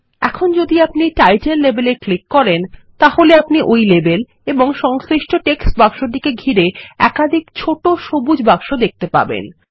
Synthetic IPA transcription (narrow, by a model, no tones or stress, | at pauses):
ɛ̰kʰond͡ʑod̪iapniʈajʈenlebeleklikːɔɾent̪aɦoleapniʔojlebel | eboŋʃɔŋsɾiʃʈoʈeksbaɡʃoɾd̪ikeɡʱiɾeɛ̰kad̪ʱikt͡ɕʰoʈoʃobud͡ʑbakʃod̪ek̚t̪epa̰bḛn